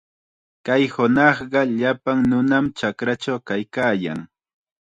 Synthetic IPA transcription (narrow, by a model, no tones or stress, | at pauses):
kajhʊnɑχɢɑʎapaŋnʊnamt͡ʃakɾat͡ʃawkajkaːja̰ŋ